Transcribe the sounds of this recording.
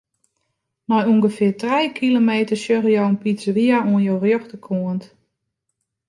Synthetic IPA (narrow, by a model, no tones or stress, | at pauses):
mɔjuŋɡəfɪərtrɛjkʰilomeːtərsjøɣəjowənpisʋiauənjowrjoxtəkʰuənt